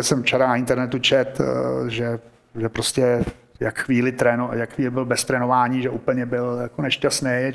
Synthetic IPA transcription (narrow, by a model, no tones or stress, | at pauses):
sɛmft͡ʃɛɾanaɪnt̪ɛɾnɛt̪ut͡ʃɛt̪ʒɛ | ʒɛpɾoscɛ | jakxʋiːlɪt̪ɾɛnojakxʋiːlɪbɪlbɛst̪ɾɛːnovaːɲiːʒɛʔuːpl̩ɲɛbɪljakonɛʃcasnej